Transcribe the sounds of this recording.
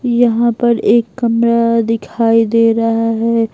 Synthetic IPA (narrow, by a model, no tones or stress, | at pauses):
jɐɦãpɐɾeːkːɐmɾad̪ɪkʰaːid̪eːɾɐɦaɦɛː